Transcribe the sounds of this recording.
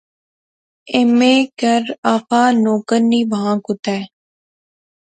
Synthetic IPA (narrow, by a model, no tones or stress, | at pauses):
emẽːkəɾaːfaːnoːkəɾnːiːʋaãːkʊt̪ɛː